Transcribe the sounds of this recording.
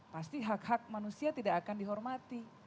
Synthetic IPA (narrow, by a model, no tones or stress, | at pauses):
past̪iɦakhak̚manusiat̪idaʔakandiɦɔrmat̪i